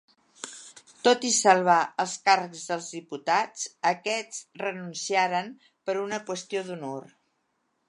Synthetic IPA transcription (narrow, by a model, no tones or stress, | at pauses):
t̪ot̪isəlˠβ̞aəlˠskarəkzðəlˠzðiput̪at͡səkɛt͡srənunsiaɾən | pəɾunəkwəst̪ioðunor